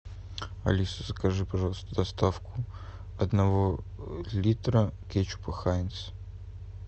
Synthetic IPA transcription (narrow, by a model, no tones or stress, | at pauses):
ɐ̰lʲisəzəkɐʐɨpɐʐɑlˠəst̪əd̪ɐst̪afkʊ | ɐd̪nɐvolʲit̪ɾəkʲet͡ɕʊ̥pɐxaɪnt̪s